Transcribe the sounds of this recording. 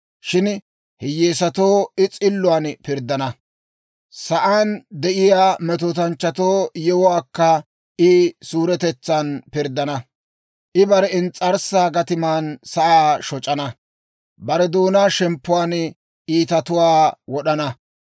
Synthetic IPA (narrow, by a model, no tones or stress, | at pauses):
ʃɪn | hɪjeːsɐt̪oːɪt͡sʼɪlːʊwaːnpɪɾd̪ɐnɐ | sɐʔaːnd̪ɛʔɪjaːmɛt̪̬oːt̪ɐnt͡ʃːɐt̪oːjɛwɔwaːkːɐ | ʔɪsuːɾɛt̪ɛt͡sːɐnpɪɾd̪ɐnɐ | ʔɪbɐɾɛɪnt͡sʼɐɾsaːɡɐt̪ɪmaːnsɐʔaːʃɔt͡ʃʼɐnɐ | bɐɾɛd̪oːnaːʃɛmpːʊwaːn | ʔiːt̪ɐt̪ʊwaːwɔɗɐnɐ